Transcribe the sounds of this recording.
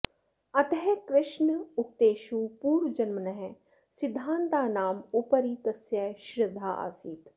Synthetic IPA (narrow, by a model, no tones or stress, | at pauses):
ɐt̪ɐɦɛkɾɪʃnʊk̚t̪eːʃuːpuːɾʋd͡ʒɐnmənɐɦɛ̃ | sɪd̪ʱːãːnt̪aːnaːmupəɾiːt̪ɐsjɐʃɾɪd̪ʱaːʔa̰ːsiːt̪